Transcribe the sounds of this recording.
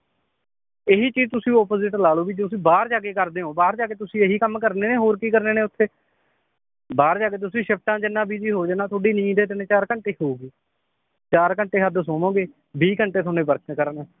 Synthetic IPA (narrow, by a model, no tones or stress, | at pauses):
eɦiːt͡ʃiːd͡ʒt̪ʊsĩːɔːpoːzɪʈlaːloːbiːd͡ʒt̪ʊsĩːbaːɾd͡ʒaːɡeːkəɾd̪eːõːbaːɾd͡ʒaːɡeːt̪ʊsĩːeɦiːkəmkəɾneːneːɦoːɾkiːkəɾneːnẽːʊt̪ʰːeː | baːɾd͡ʒaːɡeːt̪̬ʊsĩːʃəp̚ʈãːd͡ʒɪnːãːbiːd͡ʒiːɦoːd͡ʒanaːt̪ʰoːɖiːnĩːd̪eːt̪ɪneːt͡ʃaːɾkəɳʈeːhoːuːɡiː | t͡ʃaːɾkəɳʈeːɦəd̪soːmõːɡeː | biːkəɳʈeːt̪ʰoːnẽːbəɾkʰnkəɾneː